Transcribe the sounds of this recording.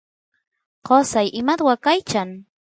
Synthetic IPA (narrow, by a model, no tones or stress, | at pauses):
qosajʔɪmat̪wakajt͡ʃaŋ